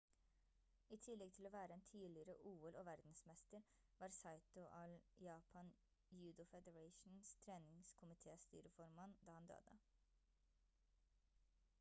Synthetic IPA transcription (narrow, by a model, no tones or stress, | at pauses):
iːt̪ʰɪlːɛɡ̚t̪ʰɪloːʋæːɾəeːnt̪ʰiːlɪəɾəʔuːɛlʔoːʋæɾd̪n̩smɛst̪əɾ | ʋɑːɾsɑɪt̪ʊʔɑljɑːpʰɑn | jʉːd̪ʊfɛd̪əɹɑɪʃn̩st̪ʰɾeːnɪŋskʰʊmɪt̪ʰeːst̪y̰ːɾəfɔɾmɑnd̪ɑːhɑnd̪ø̰ːd̪ə̰